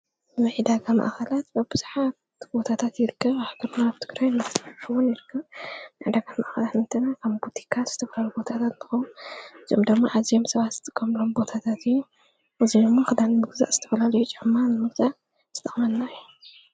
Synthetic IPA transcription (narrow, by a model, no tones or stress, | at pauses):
mɐʕid̪aɡama̰ʔxɐlat̪baβbɨz̥ħat | bo̞t̪ʰat̪ʰat̪jɪɾɨkʰːɐβaħɡɐɾnaːβt̪ʰɨ̥ɡɾajnɨt̪ʰɨħɨwunjɪɾɨkʰːɐβmɐʕid̪aɡama̰ʔxɐlat̪nɨt̪ʰɐnakʰambut̪ʰi̥kʰaz̥ɨt̪ʰɐfɐlalubo̞t̪ʰat̪ʰat̪nɨxɐwnɨziomd̪ɨɡmːaʔazijomsɐβat̪zɨt̪ʰʼɐkʼːɐmlombo̞t̪ʰat̪ʰat̪ʰɨjːu | ʔɨzidɨmːaxɨd̪anɨmɨɡza̰ʔz̥ɨt̪ʰɐfɐlalɐjut͡ʃʼɪʕmanɨmɨlt͡ʃʼaʔ | z̥ɨt̪ʼɐχʼmɐnːaju